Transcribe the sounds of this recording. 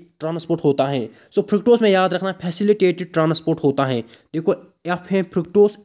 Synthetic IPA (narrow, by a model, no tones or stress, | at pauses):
ʈɾãːnspoːɾʈɦoːt̪aɦɛ̃ː | soːpʰɾɪkʈoːsmẽjaːd̪ɾɐkʰnaɦɛpʰɛːsɪlɪʈeːʈɪɖ̚ʈɾãːnspoːɾʈɦoːt̪aɦɛ̃ː | d̪̥eːkʰo | pɦɛ̃pʰɾɪkʈoːs